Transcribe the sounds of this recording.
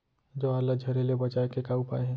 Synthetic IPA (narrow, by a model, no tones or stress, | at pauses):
d͡ʒoalad͡ʒʱɐɾelebɐt͡ʃaːekekaːupa̰ːeɦɛ̃ː